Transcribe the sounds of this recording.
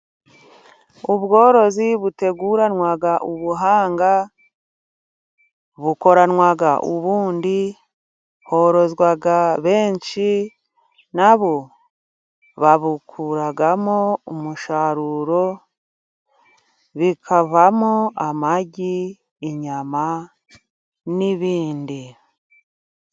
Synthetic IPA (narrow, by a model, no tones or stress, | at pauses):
uβɡo̞ːɾo̞ziβute̞ɡuɾanwaɡaʔuβuɦaːŋɡa | βuko̞ɾanwaɡaʔuβuːndi | ho̞ɾo̞zɡwaɡaβe̞ːɲt͡ʃi | naβo | βaβukʰuɾaɡamoumuʃaɾuɾo̞ | βikʰaβamoamaɟiː | ɲama | niβiːndi